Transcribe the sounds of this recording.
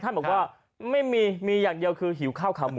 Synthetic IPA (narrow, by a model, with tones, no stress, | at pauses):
a˥˩bk̚waː˥˩ | ma˥˩jmiː˧miː˧jaː˨˩ŋdi˧əwkʰɯː˧ɦi˩˦wkʰaː˥˩wkʰaː˨˦m˨˧